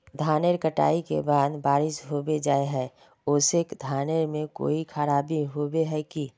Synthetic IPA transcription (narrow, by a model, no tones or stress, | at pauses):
d̪ʱaːneɾkəʈa̰ːikḛbaːd̪baːɾɪʃɦobed͡ʒaːeɦɛː | oːsɪkd̪ʱaːneɾmẽko̰ːikʰəɾaːbiɦoːbeɦɛki